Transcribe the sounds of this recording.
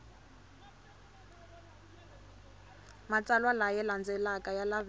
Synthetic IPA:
mat͡sʼalwalajɛland͡zɛlakʼajalav

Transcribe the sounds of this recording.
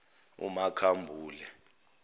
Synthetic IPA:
ṵmakʰambʱuːlɛ

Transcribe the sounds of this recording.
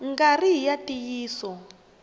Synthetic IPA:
ŋɡariɦijatijiːsɔ

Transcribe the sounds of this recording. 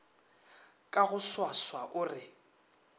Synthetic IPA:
kʼaɣʊswaswaʔʊːrɪ

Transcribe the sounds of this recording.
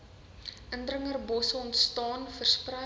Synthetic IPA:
ʔəndrəŋərbɔsəɔntstɑːnfərsprɐ

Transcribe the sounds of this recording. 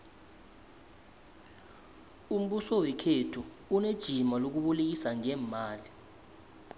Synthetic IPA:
um̩ɓusɔwɛkʰetʰuː | ned̥ʒ̥ʱimalok̬uɓulek̬isaŋɛːmaːli

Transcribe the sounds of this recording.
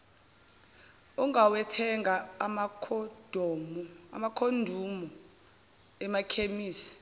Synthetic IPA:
uŋɡʱawɛtʰɛŋʱamad̥ʱɔma̰makʰondʱumu | ɛmakʰemiːsi̥

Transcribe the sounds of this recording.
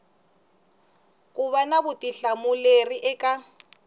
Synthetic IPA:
kʼʊβanabʊtʼiɬamʊleriʔɛkʼa

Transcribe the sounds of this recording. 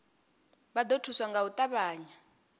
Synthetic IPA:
bad̪otʰuswaŋɡaut̪ʼaβaːɲa

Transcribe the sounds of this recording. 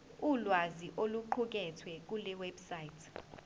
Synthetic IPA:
ulwaziʔoluǃʰuk̬ɛtʰwɛk̬ulɛwebsajitʰ

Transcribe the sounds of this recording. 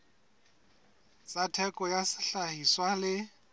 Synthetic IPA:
t͡sʼatʰɛkʼɔjasɪɬahiswalɪ

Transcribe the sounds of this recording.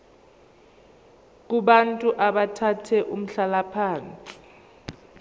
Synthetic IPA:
k̬ʼuɓantʼuʔaɓatʰatʰɛʔum̩ɬalapʰaːnt͡sʼi̥

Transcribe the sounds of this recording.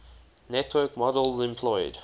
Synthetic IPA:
nɛtʰwɜːkmɔdəlˠzɪ̃mpʰl̥ɔɪd̥

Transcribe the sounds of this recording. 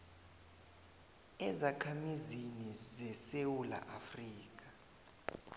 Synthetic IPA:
ɛzakʰamizinizɛsewula̰ʔafriːk̬ʼḁ

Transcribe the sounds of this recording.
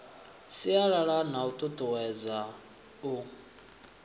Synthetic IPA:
siaɺaɺanaut̪ʼut̪ʼuwɛd͡za | u

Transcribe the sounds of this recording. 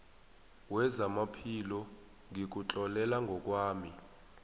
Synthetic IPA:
wɛzamapʰilɔ | ŋʱik̬ut͡ɬʼɔlɛlaŋɡʱɔk̬waːmi

